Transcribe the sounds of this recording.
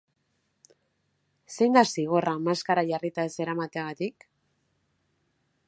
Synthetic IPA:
se̞jnd̪asiɣ̞o̞ramaskaɾaʝarit̪aese̞ɾamat̪eaɣat̪ik

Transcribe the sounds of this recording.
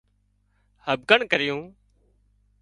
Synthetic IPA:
həb̚ɡəɳkəɾɪjũː

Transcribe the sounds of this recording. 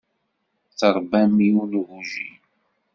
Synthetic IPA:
θəɾˤbæmiunɣuʒi

